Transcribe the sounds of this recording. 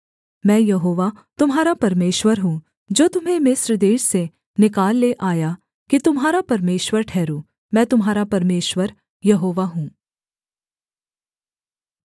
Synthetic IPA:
mɛ̃ːjɐɦoːʋat̪ʊmɦaːɾapɐɾmeːʃwəɾɦũː | d͡ʒoːt̪ʊmɦẽmɪsɾəd̪eːʃse | nɪkaːlːeʔaːja | kit̪ʊmɦaːɾapɐɾmeːʃwəɾʈʰɛːɾuː | mɛ̃ːt̪ʊmɦaːɾapɐɾmeːʃwəɾ | jɐɦoːʋaɦũː

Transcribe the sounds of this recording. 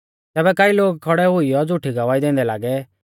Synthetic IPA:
t̪ɛːbɛkaːiloːɡ̚kʰɔɽɛɦʊijɔd͡zʊʈʰiɡɐʋaːid̪ẽːn̆d̪ɛlaːɡɛ

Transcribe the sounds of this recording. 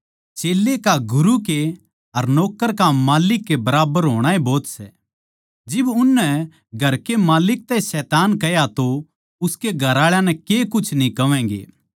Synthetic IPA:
t͡ʃeːlːekaɡʊɾuke | ɐɾnɔːkəɾkamaːlɪkːebɐɾaːbəɾɦoːɽ̃aːeboːt̪sɛ̰ | d͡ʒɪbʊnːɛ | ɡʱɐɾkemaːlɪk̚t̪ɛisɛːt̪aːnkɐjat̪o | ʊskeɡʱɐɾaːɭjãnɛkekʊt͡ʃʰnĩkɐʋɛ̃ːɡḛː

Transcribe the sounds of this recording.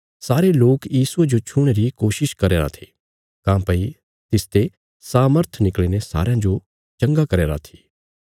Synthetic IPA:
saːɾeloːkjiːsued͡ʒot͡ʃʰʊɽ̃eɾikoːʃɪʃkɐɾeːɾa̰t̪ʰe̥ː | kãːpɐi | t̪ɪst̪e | saːməɾt̪ʰnɪkɭinesa̰ːɾejãd͡ʒo | t͡ʃɐ̃ŋɡakɐɾeːɾa̰t̪ʰi̥ː

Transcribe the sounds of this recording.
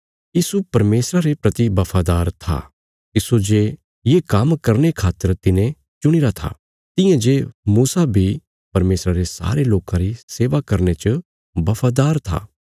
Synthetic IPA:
jiːsupɐɾmeːsɾaɾepɾɐt̪ibɐpʰaːd̪aːɾt̪ʰa̰ | ɪsud͡ʒeː | jekɐmkɐɾnekʰaːt̪əɾt̪ɪnẽ | t͡ʃʊɽ̃iɾat̪ʰa̰ | t̪ɪ̃jãd͡ʒeːmuːsabʱi | pɐɾmeːsɾaɾesa̰ːɾeloːkãɾiseːʋakɐɾnet͡ʃə | bɐpʰaːd̪aːɾt̪ʰa̰ː

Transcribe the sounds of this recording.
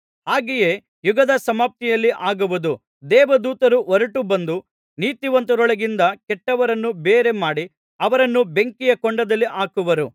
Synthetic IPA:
haːɡejeː | juɡɐd̪ɐsɐmaːp̚t̪ijɐlːiʔaːɡuʋud̪u | d̪ɛːʋɐd̪uːt̪ɐɾuɔɾɐʈubɐnd̪u | niːt̪iʋɐnt̪ɐɾɔɭɐɡind̪ɐkɛʈːɐʋɐɾɐnːubeːɾe̞maːɽi | ɐʋɐɾɐnːube̞ŋkijɐkɔɳɖɐd̪ɐlːiʔaːkuʋɐɾu

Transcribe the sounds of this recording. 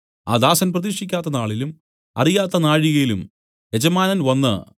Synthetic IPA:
a̰ːd̪aːsɐnprɐðikʂikʲːaːt̪ːɐnaːɭilum | ɐ̰rijaːt̪ːɐnaːɻiɣɐjilum | e̞d͡ʑɐmaːnɐnʋɐnːɨ̰

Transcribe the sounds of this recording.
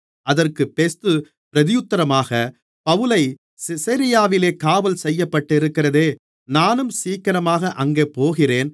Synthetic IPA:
ʔɐðɐrkɯpːeːst̪ɯ | pɪɾɐðɪjʊt̪ːɐɾɐmaːɣɐ | pɐʋɯlɐɪ | sɪsɐɾɪjaːʋɪleːkaːʋɐlsɛjːɐpːɐʈːɪɾɯkːɪrɐðeː | naːnɯmsiːkɐɾɐmaːɣɐʔɐŋɡeːpoːɣɪreːn

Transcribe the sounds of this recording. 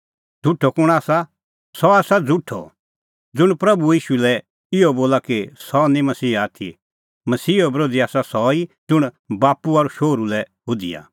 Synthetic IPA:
d͡z̥ʱuʈʰːɔkʊɽ̃aːsa | sɔaːsad͡zʱuʈʰɔ̰ | d͡zʊɽ̃pɾɐbuiːʃulɛ | ɪɔboːlakisɔnĩmɐsiːaːt̪ʰḭ | mɐsiːɔbɾoːd͡ziaːsasɔid͡zʊɽ̃ | baːpuɐɾuʃoːɾulɛɦʊd̪ḭja̰

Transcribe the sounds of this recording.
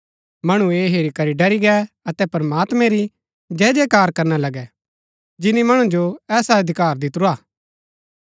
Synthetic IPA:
mɐɽ̃ũeːɦeːɾikɐɾiɖɐɾiɡɛ | ɐt̪ɛpɐɾmaːt̪mɛ̃ɾi | d͡ʒɛːd͡ʒɛkaːɾkɐɾnalɐɡɛ | d͡ʒɪnimɐɽ̃ũd͡ʒoɛːsaɐd̪ʱɪkaːɾd̪ɪt̪ɾuaː

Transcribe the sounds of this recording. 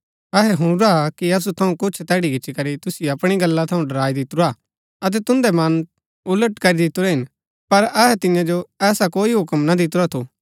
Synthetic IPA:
ɐɦɛɦʊɽ̃ʊɾakiɐs̬ut̪ʰɐũkʊt͡ʃʰt̪ɛːɽikɪt͡ʃʃʰikɐɾit̪ʊsɪjɐpɽ̃iɡɐlːat̪ʰɐũɖɐɾaːid̪ɪt̪ʊɾa | ɐt̪̬ɛt̪ʊ̃nd̪ɛmɐn | ʊləʈkɐɾid̪ɪt̪ʊɾɛɦɪn | pɐɾɐɦɛt̪ɪ̃jãd͡ʒoɛːsakoːiɦʊkəmnad̪ɪt̪ʊɾat̪ʰu

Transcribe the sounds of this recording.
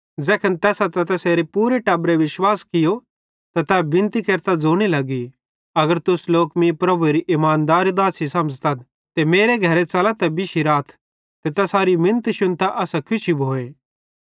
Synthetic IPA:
d͡zɛːkʰənt̪ɛːsat̪ɛt̪ɛseɾipuːɾeʈɐbɾeʋɪʃwaːskɪjo | t̪at̪ɛbɪ̃nt̪ikɐɾt̪ad͡zoːɽ̃ilɐɡi | ɐɡəɾt̪ʊsloːkmĩpɾɐbueɾiʔɪmaːnd̪aːɾid̪aːsisɐ̃məd͡zt̪at̪ | t̪emeːɾeɡʱɐɾet͡sɐlat̪ɛbɪʃiɾaːt̪ʰ | t̪et̪ɐsaːɾimɪ̃nt̪ʃʊnt̪aʔɐsakʰʊʃibʱoːeː

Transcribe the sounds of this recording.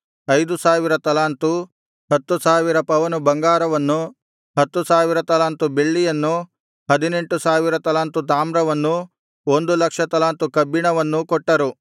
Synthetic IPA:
ɐjd̪usaːʋiɾɐt̪ɐlaːnt̪u | ɦɐt̪ːusaːʋiɾɐpɐʋɐnubɐŋɡaːɾɐʋɐnːu | ɦɐt̪ːusaːʋiɾɐt̪ɐlaːnt̪ube̞ɭːijɐnːu | ɦɐd̪ine̞ɳʈusaːʋiɾɐt̪ɐlaːnt̪ut̪̬aːmɾɐʋɐnːu | ond̪ulɐkʂɐt̪ɐlaːnt̪ukɐbːiɳɐʋɐnːukɔʈːɐɾu

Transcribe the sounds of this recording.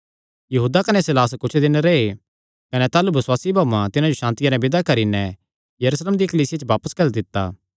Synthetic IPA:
jɐɦuːd̪akɐnesɪlaːs̬kʊt͡ʃʰd̪ɪnɾee | kɐnɛt̪aːlubɐswaːsibʱaːʋãt̪ɪnãd͡ʒoʃãːnt̪ɪjãnɛ̃bɪd̪akɐɾinɛ̃ | jɐɾuːsleːmd̪ikəliːsɪjat͡ʃəʋaːpəskɐld̪ɪt̪ːa̰ː

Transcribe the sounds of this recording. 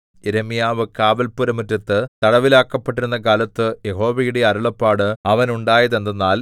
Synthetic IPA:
eɾemijaːʋɨkaːbɐlpuɾɐmɨtːɐt̪ːɨt̪ɐɽɐʋilaːkːɐpːeʈːiɾunːɐkaːlɐt̪ːɨje̞ɦo̞ːʋɐjiɽeɐɾuɭɐpːaːɽɨɐʋɐnuɳɖaːjɐðend̪ɐnːaːl

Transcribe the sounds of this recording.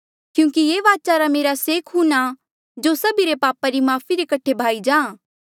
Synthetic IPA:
kjũːkijeːʋaːt͡ʃaɾameːɾaseːkʰɦuna | d͡ʒosɐbiɾepaːpaɾimaːpʰiɾekɐʈʰːebʱaːid͡ʒãːã

